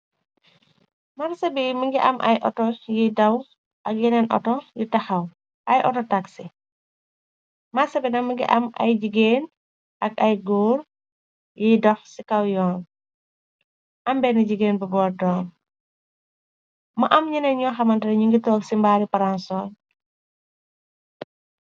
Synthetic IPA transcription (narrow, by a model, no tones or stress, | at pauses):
mɐɾsɐbimɐŋɡiʔɐmʔɐ̰jʔɔ̰tɔjidɐw | ʔɐk̚jinɛnʔɔ̰tɔjitɐxɐw | ʔɐjʔɔtɔtaksi | mɐsɐbinɐmɐŋɡḭʔɐ̰mɐ̰jd͡ʒiɡeːn | ʔɐkɐjɡuːr | jidɔxsikɐwjɔːn | ʔɐmbɛniɟiɡeːnbɐbɔːɾdɔːn | mɐʔɐmɲinɛnɲɔːxɐmɐndɐɾɲuŋɡitɔːksimbaːɾipɐɾansɔːn